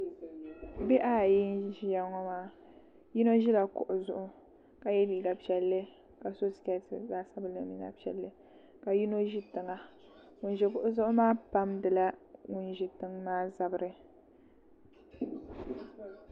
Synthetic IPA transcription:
be˦ʔa˦˨ji˦n˦ʒja˦ŋɔ˦maː˦ | ji˦no˦ʒi˦la˨kʊ˨ʔʊ˨zʊ˦˨ʔʊ˦ | ka˨jɛ˦biː˨ɡa˨pi˨ɛ˨lːɨ˦ | ka˨so˦skɛ˦tɨ̰˨zaː˦sa˦bɨ˨lɨ˨˦mi˨na̰˦pi˨ɛ̰˨lːɨ˦ | ka˨ji˦no˦ʒi˦tɨ˨ŋa˦ | ŋʊ˨nʒi˨kʊ˦ʔʊ˦zʊ˦ʔʊ˦maː˦pa˦mdɨ˨la˦ŋʊ˨nʒi˨tɨ˦ŋmaː˦za˨bɨ˦ɾɨ˦

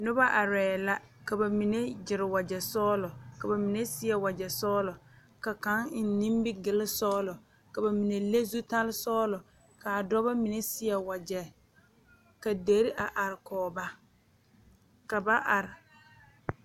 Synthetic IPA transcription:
nʊ˦ba˦ʔa˨ɾɛː˨la˦ | ka˨ba˨mi˨ne˦d͡ʒɪ˨ɾɪ˨wa˨d͡ʒɛ˨sɔː˦lʊ˨ka˨ba˨mi˨ne˦sɪ˦ɛ˨wa˨d͡ʒɛ˨sɔː˦lʊ˨ | ka˨ka˨˦ŋ˨n˦nĩ˦mbɪ˦ɡɪ˨lɪ˦sɔː˦lʊ˨ | ka˨ba˨mi˨ne˨le˦zu˦ta˦lɪ˦sɔː˦lʊ˨ | ka˨a˨dɔ˦ba˦mi˨ne˦sɪ˦jɛ˨wa˨d͡ʒɛ˨ | ka˨de˨˦ɾɪ˦ʔa˨ʔa˨ɾɪ˨kɔː˨ba˦ | ka˨ba˦ʔa˨ɾɪ˨

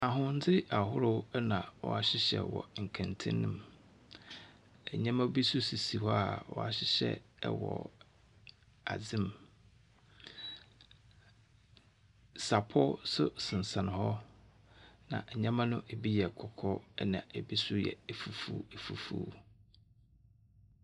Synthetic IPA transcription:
a˨ɦʊ̃˦n̩˦d͡zɪ˦a˨hʊ˦ɾʊ˦wnã˨wɔ̰˨a˨ɕɪ˦ɕɛ̰˨wɔ̰˨ŋ̩˨kʰã˨ntʰɪ̰̃˦nːɪ̃˦˨m | ɛ˨ɲã˦mã˦bi˦sʊ˦si˨si˨hɔ˦a˨wɔ̰˨a˨ɕɪ˦ɕɛ̰˦˨wɔ̰˨ | a̰˨d͡zɪ̃˦m | sa˨pʰɔ˦sʊ˦sɪ̃˨n̩˨sã˨nɪ̃˨hɔ˦ | nã̰˨ʔɛ˨ɲã˦mã˦nʊ̃˦ʔe˨bi˦jɛ˨kʰɔ˨kʰɔ˦ɛ̰˦nã˨e˨bi˦sʊ˦jɛ̰˨ɛ˨fu˨fṵː˦e˨fu˨fṵ˦

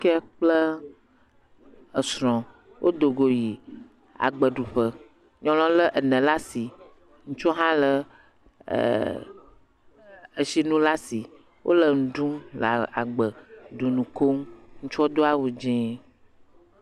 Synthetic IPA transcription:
kɛ˦k͡plə˦ | ə˨sɾɔ̃˨ | wʔo˦d̪o˨ɡo˨ji˨ | a̰˨ɡ͡bə˨ɖu˨ɸə˦ | ɲɔ̃˦l̃ɔ̃˦lə˦ʔə˨nə̃˨la˦si˨ | ŋũ˦t͡ʃɔ˦ɦã˦lə̰˨ | ə˨ʃi˦nũ˦la˦si˨ | wʔo̰˦lə˨nũ˨ɖũ˦la˨ɡ͡bə˨ɖu˨nũ˨ko˦ŋŋũ˦t͡ʃɔ˦d̪o˦a˦wu˨d͡ʒɛ̃˦

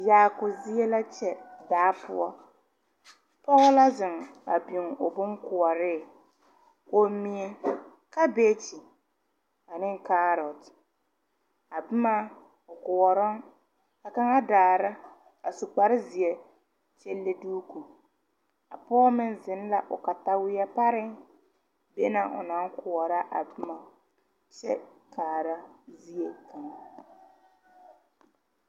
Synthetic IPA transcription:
jaː˨˦˨kʊ˨zi˦e˦la˦t͡ʃɛ˨daː˨˦pʰʊ̰˦ɔ˦ | pɔ˦ɣʊ˦la˦zɪ˨ŋa̰˨bi˨ŋʊ˨bʊ˦ŋkʊ˨ɔ˨ɾɪ˦˨ | o˨mi˨e˨ | ka˦beː˦t͡ʃi˨ | a˨nɪ˦ŋkaː˦ɾɔ˨t | a˨bʊ˦ma˦ | ʊ˨kʊ˨wɔ˨ɾɔ˦ŋ | ka˨ka˦ŋa˦daː˨ɾa˦ | a˨su˨k͡pa˨ɾɪ˦zɪ˨e˨ | t͡ʃe˦lːe˦duː˦ku˨ | a˨pɔː˦mɪ˦nzɪ˨˦n˦la˨ʔʊ˨ka˨ta˦wɪ˦ja˦pa˦ɾɪ˦ŋ | be˦na˨ʔʊ̰˨na˦ŋkʊ˨ɔ˨ɾa˦ʔa˨bɪ˦ma˨ | t͡ʃɛ̰˦kʰaː˨ɾa˦zi˦e˨ka˨ŋa˦

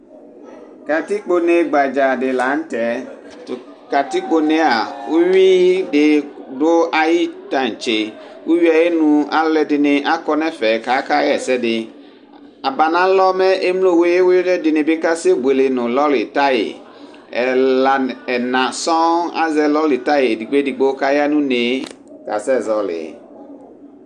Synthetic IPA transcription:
ka˨ti˦k͡po˨ne˨ɡ͡ba˨d͡ʒa˨dɪ˨la˨˦n̩˦tɛ˨˦ | t | ka˨ti˦k͡po˨nẽ˦a˨u˦ɥi˦ɖɪ˨dʊ˦a˦ji˦tã˨n˨t͡ʃe˨wu˦ɥi˦a˨je˦nũ˨a̰˦lɛ˦dɪ˨nɪ̃˨ʔa˦kɔ˦nɛ̃˦fɛ˨ka˨˦ka˦jɛ˨sɛ˦dɪ˨ | a˨ba˨nã˨˦lɔ˦mɛ˦ʔe˦m˦lo˦˨we˦wdɛ˦dɪ˨nɪ̃˨bɪ˦ka˦se˦ɡ͡bʷe˨lɪ˨nʊ̃˨lɔ˦lɪ˨ta˦jɪ̰˨ | ɛ˨la˨ɛ˨nã˨sɔ̃˦a̰˦zɛ˨lɔ˦lɪ˨ta˦je˨di˨ɡ͡be˦di˨ɡ͡bo˦ka˦ja˦nũ˦ne˨ | ka˨sɛ˦˨zɔ˨lɪ̰˨

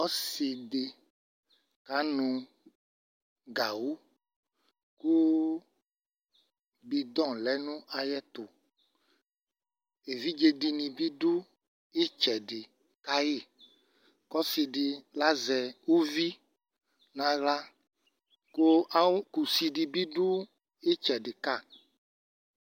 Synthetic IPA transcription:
ɔ˦si˨de˨ | ka˨˦nũ˨ | ɡa˨wu˦ | ku˦ | bi˨d̪ɔ̃˦˨lɛ˨˦nũ˦ʔa˨jɛ˦t̪o˨ | e˨vi˦d͡ʒe˦ɖi˨nĩ˨bi˦ɖu˦ | e˦t͡ʃɛ˨ɖi˨ | ka˦je˦˨ | kɔ˦si˨ɖi˨la˦zɛ˨wu˦vi˦ | nã˨ɣla˦ | ko˦ku˨si˨ɖi˨bi˦ɖu˦ | e˦t͡ʃɛ˨ɖɪ˨ka˦˨

